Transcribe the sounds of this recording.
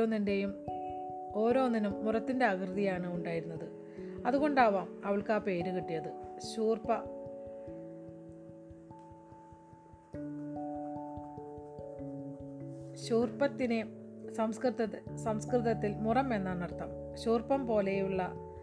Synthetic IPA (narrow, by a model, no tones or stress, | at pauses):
oːnːinde̞jum | o̞ːɾo̞ːnːinumːurɐt̪ːinde̞ɐkrɨðijaːɳɨuɳɖaːjiɾunːɐðɨ | ɐðuɣo̞ɳɖaːʋaːmɐʋɐɭkaːpe̞ːɾukiʈːijɐðɨɕuːrpɐ | ɕuːrpɐt̪ːinesɐmskrɨðɐsɐmskrɨðɐt̪ːilmurɐme̞nːaːɳɐrt̪ːɐm | ɕuːrpɐmpo̞ːle̞juɭːɐ